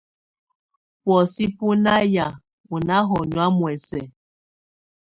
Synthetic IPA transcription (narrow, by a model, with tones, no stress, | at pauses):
pwɔ˨si˦pu˦na˦ja˨ | u˨na˦ɦɔ˨nwa˦mwɛ˨sɛ˨